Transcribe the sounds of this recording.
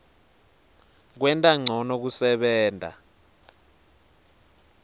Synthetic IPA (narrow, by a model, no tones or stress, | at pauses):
k̬wɛntʼaŋ͡ǀʱɔnok̬usɛɓɛːndʱa̰